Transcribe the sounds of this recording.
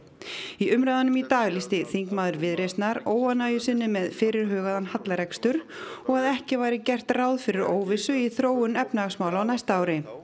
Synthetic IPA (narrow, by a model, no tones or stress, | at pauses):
iʔʏmɾajðanʏmit̪aːɣlist̪ɪθiŋkmaːðʏɾvɪðɾejst̪naɾoːwanaːjʏsɪnːɪmɛðfɪːɾɪɾ̥ɦœːɣaðanhat̪laɾɛkst̪ʏɾ̥ɔɣaðɛhcɪvaːjɾɪcɛr̥t̪raːwðfɪɾɪɾoːwvɪsʏiθɾoːwʏnɛpnaɣsmaːwlawnajst̪aːwɾɪ